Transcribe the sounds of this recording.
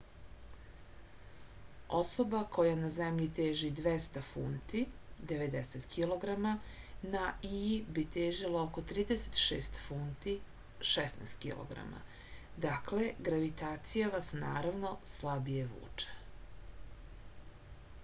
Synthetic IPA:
oso̞bako̞janazemʎit̪eːʒid̪ʋest̪afunt̪id̪e̞ʋed̪eset̪kʰilo̞ɡɾamanaibit̪eːʒilaoko̞t̪ɾiːd̪eset̪ʃeːst̪funt̪i | ʃɛsna̰st̪kḭlˠo̰ɡɾa̰ma̰ | d̪akle̞ɡɾaʋit̪aːt̪sijaʋasnaːɾaʋno̞slabijeʋṵːt͡ʂḁ

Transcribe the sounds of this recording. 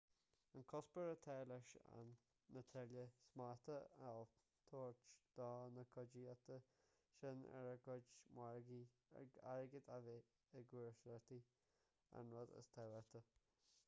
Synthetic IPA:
ənkʰɔspəɾət̪ʰɛːləʃa̰nː | ət̪ʰɛɾljəsmaɹt̪əəl | t̪ʰoːɹt͡ʃd̪̥ɔːnəkʰʊd͡ʒiat̪ə | ʃɪnɛ̰ɾəɡʊd͡ʒmwaɹɡi | a̰ɹɡəd̪ave | əɡuɹʃɾɛt̪i | a̰nɹɔd̪ə̰st̪ʰɛwɛt̪ə

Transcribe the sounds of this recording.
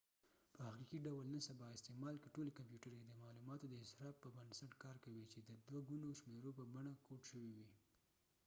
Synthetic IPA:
pəaxɾiqiɖawəlnəsabɑɪst̪emɑlkəʈolekampjuʈəɾeked̪əmɑlumɑt̪od̪əɪsɾɑbpːəbansaʈkɑɾkawit͡ʃed̪əd̪waɡunoʃmeɾopəbaɳakoʈʃəwiwi

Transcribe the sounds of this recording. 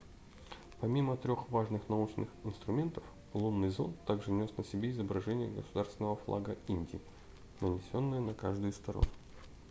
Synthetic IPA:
pɐmʲimət̪ɾʲoxvaʐnɨxnɐut͡ɕnɨxɪnst̪ɾʊmʲe̞nt̪əf | lˠunːɨjzo̞̰nt̪ːaɡʐɨnʲo̞snəsʲɪbʲeɪzəbɾɐʐɛnʲɪjəɡəsʊd̪arst̪vʲɪnəvəflˠa̰ɡəinʲdʲɪː | nənʲɪsʲo̞nːɨjənɐkaʐd̪ɨjst̪ɐɾo̰n

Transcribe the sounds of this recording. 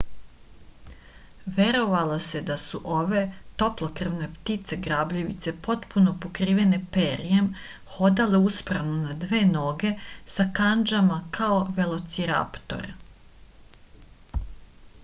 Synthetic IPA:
ʋe̞ɾo̞ʋalˠase̞d̪asuʔo̞ʋe̞t̪o̞plˠo̞kr̩ʋne̞pt̪it̪se̞ɡɾaːbʎiʋḭt̪se̞po̞t̪puno̞po̞kɾiːʋe̞ne̞peɾiem | xo̞d̪ale̞uspɾaʋnonad̪ʋe̞ːno̞ɡe̞sakand͡ʒamakʰaoʋelˠo̞t̪siɾa̰ːpt̪o̞̰ɾ

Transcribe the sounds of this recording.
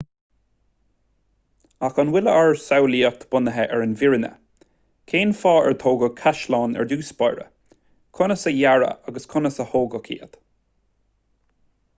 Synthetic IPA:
axənwɪləʔəɹsawliːək̚t̪ʰb̥ʊnəɦɛʔɛɹənvɪɹənə̰ | kʰeːnfɑːɛ̰ɹt̪ʰoːɡəkʰaʃlɑːnɛ̰ɹduːspajɹə̰ | kʰʊnəsəjaɹə̰aɡəskʰʊnəsəhoːɡəkʰḭːət̪

